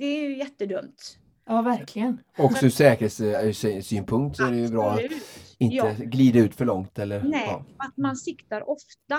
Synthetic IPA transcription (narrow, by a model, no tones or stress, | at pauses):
d̪ɛæjɵjɛt̪ːəd̪ɵmt̪ | jɑːvæɾkʰlɪɡənɔksɔsɛːkəɾheːsssyːnpʰɵŋkt̪sɔæɾɛjɵbɾɑːat̪ɪnt̪əɡliːd̪aʉ̟ːt̪fœɭɔŋt̪ɛlːəɾnɛɑːat̪mansɪkt̪aɾʔɔft̪a